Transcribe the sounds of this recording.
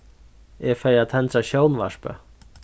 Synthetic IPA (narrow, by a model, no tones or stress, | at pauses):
ɛfɛjat̪ʰɛnt̪ɾaɕownva̰ʂpa̰